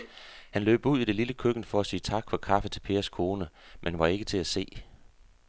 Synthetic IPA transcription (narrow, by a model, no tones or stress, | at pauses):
hænlø̰ːb̥uð̰ˠid̥e̝liləkʰøɡ̥ən̩fɒ̽æsiːət͡sʰɑ̈ɡ̥fɒ̽kʰɑ̈fət͡sʰe̝lpʰe̝ːɐskʰo̝ːnəmʔenʋɑ̈e̝ɡ̥ət͡sʰe̝æse̝̰ː